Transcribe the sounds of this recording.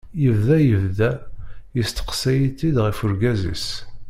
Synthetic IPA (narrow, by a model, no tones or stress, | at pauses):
jəvðæjəvðæjəst̪ə̥qsæjit̪ːid̪ʁifʊɾɡæzḭs